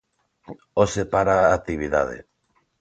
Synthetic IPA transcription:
osepaɾaːt̪iβiða̰ðḛ

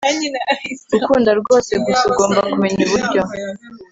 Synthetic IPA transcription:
ɾukuːndaɾɡo̞ːseɡusuɡo̞ːmbakumeɲiβuɾɟo

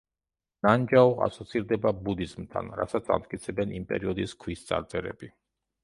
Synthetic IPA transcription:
nand͡ʒaɔa̰sɔt̪sʰiɾd̪ɛbabud̪izmt̪ʰa̰nɾa̰sat̪sʰa̰mt̪̚ʼkʼit̪sʰɛbɛnimpʼɛ̰ɾiɔd̪iskʰwist̪sʼa̰ɾt̪sʼɛɾɛ̰bi

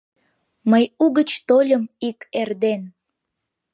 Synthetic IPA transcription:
məjuɣət͡ɕt̪olʲəmikerd̪en

